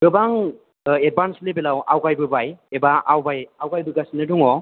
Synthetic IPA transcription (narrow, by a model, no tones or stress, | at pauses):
bɯbaŋ | ed̚banslebelawʔawɡajbɯbajebaawbajawɡajbɯɡasinɯduŋɔ